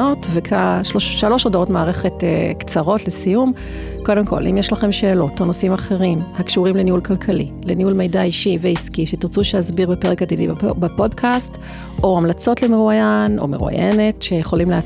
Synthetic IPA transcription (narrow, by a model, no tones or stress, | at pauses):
otvekʰaʃloʃʃalo̞ʃodaotmaaːʁeχe̞tḛkt͡saʁo̞tlesijum | ko̞demkʰo̞̰lʔḭmjeʃlaχe̞mʃe̞ːlo̞tonosimaχe̞ʁimhakʃuʁimleniulkalkʰalḭleniulme̞jdaiʃiveiskiʃetiʁt͡suʃehazbiʁbepeʁekad̪idḭbbapo̞dkʰast | o̞amlat͡so̞tlemeʁuajano̞̰meʁṵa̰jʔene̞tʃe̞jeχo̞limlea